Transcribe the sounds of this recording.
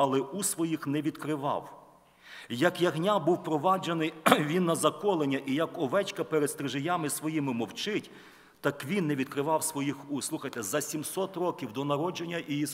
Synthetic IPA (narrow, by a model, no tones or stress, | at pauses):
ɐlˠɛʔusʋɔjixnɛʋʲid̪kɾɪʋɑ̰w | jɐkjɐɦnʲabuwpɾɔʋɑd͡ʒenɪjʋʲinːɐzɐkɔlˠenʲːɐʔijɐkɔʋɛt͡ʃkɐpɛɾed̪st̪ɾɪʒɪjamɪsʋɔjimɪmɔwt͡ʃɪtʲ | t̪ɑkʋʲinːɛʋʲid̪kɾɪʋɑwsʋɔjixuslˠuxɐjt̪ɛzɐsʲimsɔt̪rɔkʲiwd̪ɔnɐɾɔd͡ʒenʲːɐʔiis